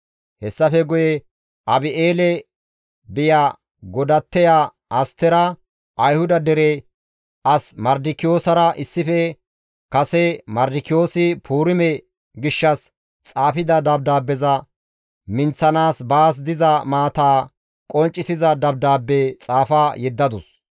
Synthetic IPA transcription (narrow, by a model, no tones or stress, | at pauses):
hɛsːɐfɛɡʊjɛ | ʔɐbɪʔeːlɛ | bɪjaː | ɡɔd̪ɐt̪ːɛja | ʔɐst̪ɛɾɐ | ʔɐjhʊd̪ɐd̪ɛɾɛ | ʔɐsmɐɾd̪ɪkːɪjo̞ːsɐɾɐʔɪsːɪfɛ | kɐsɛmɐɾd̪ɪkːɪjo̞ːsɪpʰuːɾɪmɛ | ɡɪʃːɐs | t͡sʼaːfɪd̪ɐd̪ɐb̚d̪aːbːɛzɐ | mɪnt͡sːɐnaːsbaːs̬d̪ɪzɐmaːt̪aː | kʼɔnt͡ʃʼːɪsɪzɐd̪ɐb̚d̪aːbːet͡sʼaːfajɛd̪ːɐd̪ʊs